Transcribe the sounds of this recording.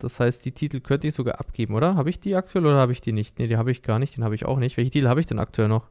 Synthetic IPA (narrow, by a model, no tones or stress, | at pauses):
d̥ashaɪstd̥iːtʰiːtl̩kʰœntəɪçz̥oɡa̰ːɐʔa̰pɡ̥eːbm̩ʔoːdɐɦaːbəɪçd̥iːak̚tʰuɛloːɾɐhaːbəɪçd̥iːnɪçtnedeːnhaːbəɪçɡ̥aːɐnɪçt̚d̥eːnaːbəɪça̰ʊxnɪçtv̥ɛlçətiːtl̩haːbəɪçd̥ɛnʔa̰k̚tʰuɛlnɔχ